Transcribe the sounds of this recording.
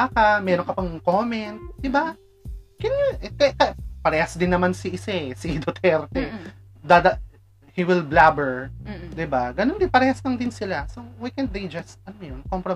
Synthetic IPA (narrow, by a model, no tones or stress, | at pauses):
akɐmɛːɾoŋkɐpɐŋkomɛnt̪̚d̪̥ɪba | kɛnjuʔɛkɐkɐpɐɾɛːhɐsd̪ɪnːɐmansɪʔɪsɛsɪd̪ot̪ʰɛɾt̪ɛ | d̪ad̪ɐ | hiwɪlblabɛɹd̪ɪbaɡɐnond̪ɪnpɐɾɛːhɐslɐŋd̪ɪnsɪlasowakɛnt̪̚d̪ejd͡ʒɐst̪̚ɐnmɛjonkompɾo